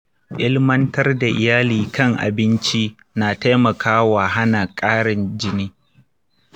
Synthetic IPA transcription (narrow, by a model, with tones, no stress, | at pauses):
ʔɪ˦lmɐ˦ntɐ˦rda˨ʔɪ˨jaː˦liː˨kɐ˦ŋʔa̰˨bɪ˦nt͡ʃi˦ | naː˨ta˦jmɐ˨kʰaː˦wa˨ɦa˦na˨kʼaː˦ɽɪ˨nd͡ʒɪ˦niː˦